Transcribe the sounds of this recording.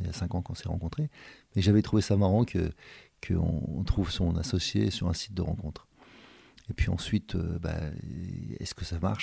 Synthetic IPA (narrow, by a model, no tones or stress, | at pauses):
lasɛ̃kɑ̃kɔ̃sɛʁɑ̰̃kɔ̃t̪χemɛʒavɛt̪χuvesamaʁɑ̃kʰəkʰəɔ̰̃t̪χuvsɔ̃nasɔsjesyʁɛ̃si̥t̪̚d̪əʁɑ̃kɔ̃t̪χ | epɥiɑ̰̃sɥit̪ʰøba̰ | ɛ̰skəsama̰ʁʃ